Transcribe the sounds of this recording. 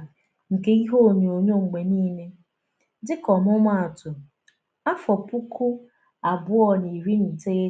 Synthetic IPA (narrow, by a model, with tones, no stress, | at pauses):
ŋ̩˨ke˦i˦ɦo˦˨ɲe˨o˨ɲo˦ŋ͡m̩˨ɡ͡be˨niː˦ne˦ | dɪ˦kɔ˨mʊ˦ma˦a˨tʊ˨ | a˦fɔ˨pu˦kʊ˦ | a˨bʊ˦ɔ˦ni˨ɾi˦n̩˨te˦e˦